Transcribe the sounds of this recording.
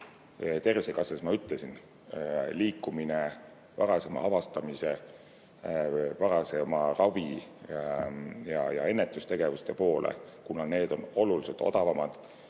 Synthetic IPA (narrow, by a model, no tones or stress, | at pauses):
t̪e̞risekɑsesmɑyt̪lesin | liːkːˑumine̞ | vɑɾɑse̞mɑ̰ɑvɑst̪ɑmise̞ | vɑɾɑsemɑrɑvi | jɑjɑ̰e̞nːet̪ˑːust̪e̞ɡ̥e̞vust̪e̞po̞ːlʔḛkunɑne̞ːd̪̥o̞no̞luliset̪ːˑo̞̰d̪̥ɑvɑmɑd̪̥